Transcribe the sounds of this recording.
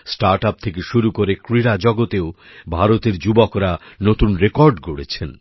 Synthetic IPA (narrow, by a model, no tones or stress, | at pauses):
sʈaɾʈap̚t̪ʰekeʃuɾukoɾekɾiɾad͡ʑɔɡot̪eo | bʱaɾot̪eɾd͡ʑubokɾanot̪unɾekɔɾɖɡoɽet͡ɕʰen